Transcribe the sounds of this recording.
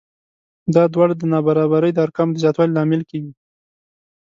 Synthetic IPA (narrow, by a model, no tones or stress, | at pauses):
d̪ɑd̪wɑɽad̪ənɑbaɾɑβaɾəjd̪əaɾkamd̪əzjɑt̪wɑlilɑmɪlkeɡi